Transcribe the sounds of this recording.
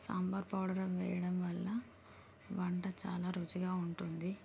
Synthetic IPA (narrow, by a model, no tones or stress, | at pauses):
sɐ̰mbɐɾpɐwɽɐɾɐmʋɛ̰ːjɐɽɐmʋɐɭːɐ | ʋɐɳʈɐt͡ʃa̰ːlaːɾud͡ʒiɡaːuɳʈund̪i